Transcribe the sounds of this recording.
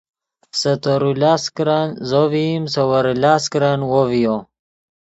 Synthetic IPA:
sɐt̪oɾulaskɾanzovimsɐwɐɾulaskɾanwovijo

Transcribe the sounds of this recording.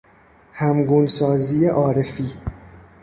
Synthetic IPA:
hæmɡuːnsɒːziːeʔɒːɾefiː

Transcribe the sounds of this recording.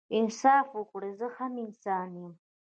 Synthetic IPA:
ɪnsɑːfwəkɽezəhamɪnsɑːnjem

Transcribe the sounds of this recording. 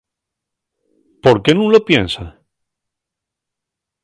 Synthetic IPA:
po̞ɾkenũŋlopjensa

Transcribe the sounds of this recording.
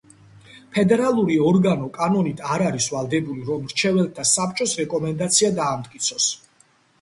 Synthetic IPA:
pʰɛd̪ɛɾalˠuɾiɔɾɡanɔkʼanɔnit̪ʰaɾaɾisvalˠd̪ɛbuliɾɔmɾt͡ʃʰɛvɛlˠt̪ʰasapt͡ʃʼɔsɾɛkʼɔmɛnd̪at̪sʰiad̪aːmt̪ʼkʼit̪sʰɔs

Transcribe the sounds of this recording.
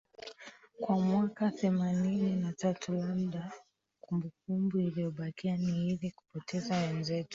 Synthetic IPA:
kwamwakaθɛmanininatatulam̩ɗa | kumbuk̚umbuilijɔɓakianihiɾiku̥pɔtʰɛzawɛnzɛtu̥

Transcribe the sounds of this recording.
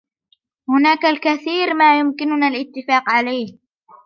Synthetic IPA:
hʊnaːkalkaθiːɾmaːjʊmkɪnʊnaːlʔɪt̪ːɪfaːqʕalajh

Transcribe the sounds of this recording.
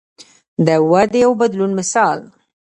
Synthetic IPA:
d̪əwad̪ejawbad̪lunmɪsɑl

